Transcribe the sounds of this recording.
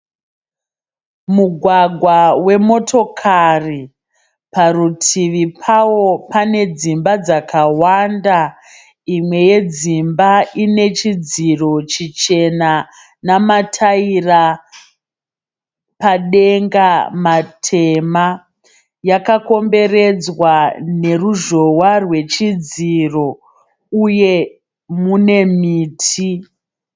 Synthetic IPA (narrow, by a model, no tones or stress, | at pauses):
muɡʱwaɡʱwawe̞mo̞tʰo̞kʰari | parutʰiʋipʰawo̞pane̞d͡zimbad͡zakʰawanda | imwe̞je̞d͡zimbaine̞t͡ʃid͡ziro̞t͡ʃit͡ʃe̞na | namatʰaira | paɗe̞ŋɡamatʰe̞ma | jakako̞mbe̞re̞d͡zwane̞ruʒo̞warwe̞t͡ʃid͡ziro̞ | uje̞ | mune̞miːtʰi